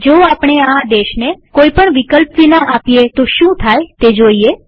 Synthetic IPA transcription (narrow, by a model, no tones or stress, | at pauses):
d͡ʒoapɳ̃ead̪eʃnekoipəɳʋikəlpʋinaʔapijet̪oʃũt̪ʰajt̪ed͡ʒoie